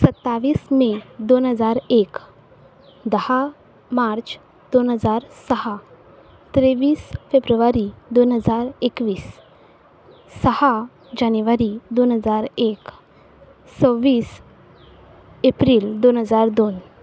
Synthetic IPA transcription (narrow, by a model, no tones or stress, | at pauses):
sət̪ːaʋiːsmed̪onɦəd͡zaɾek | d̪əha | maɾt͡ɕ | d̪onɦəd͡zaɾsəɦa | t̪ɾeʋiːsfebɾuʋaɾid̪onɦəd͡zaɾekʋiːs | əha | d͡ʑanjuʋaɾid̪onɦəd͡zaɾek | t͡səʋːiːs | epɾiːld̪onɦəd͡zaɾd̪on